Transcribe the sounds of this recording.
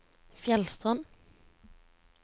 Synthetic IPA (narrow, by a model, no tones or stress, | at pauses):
fjɛlst̪ʁɔn